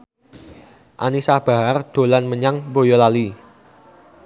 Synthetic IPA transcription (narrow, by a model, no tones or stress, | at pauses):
ʔanisahb̥a̤ɦard̪̥o̤lanməɲaŋbojɔlali